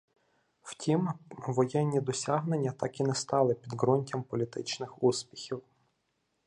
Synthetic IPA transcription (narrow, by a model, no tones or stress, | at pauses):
wtʲimʋɔjɛnʲːid̪ɔsʲɑɦnenʲːɐt̪ɑkinɛst̪ɑlˠɪpʲid̪ɦɾunʲtʲɐmpɔlʲit̪ɪt͡ʃnɪxuspʲi̥xʲiw